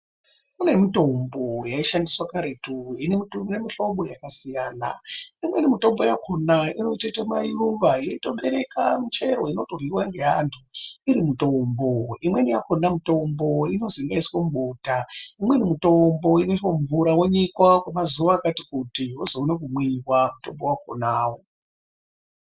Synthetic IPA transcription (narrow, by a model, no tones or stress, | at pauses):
une̞mitombojaiʃandiswakaɾetuinemiinemiɬo̞ɓo̞jakasijaːna̰imwenimito̞mbo̞jakʰonaino̞itatemairuʋajeito̞ɓe̞ɾe̞kamit͡ʃe̞ɾo̞̰inoto̞rwiwaŋɡe̞ɦantʰuiɾimutomboimwe̞nijakonamuto̞mboino̞ziŋɡaiswamuɓotaimwe̞nimuto̞mbo̞inooɱvuɾaweɲikwakumazuʋaːkatikutiɦozoːnek̬umwiwamuto̞mbo̞wako̰naːwo